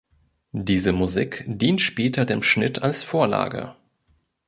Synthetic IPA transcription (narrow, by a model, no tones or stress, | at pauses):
diːzəmuziːkd̥iːntʃpeːtʰɐdeːmʃnɪtʰalsfoːɐla̰ːɡə̰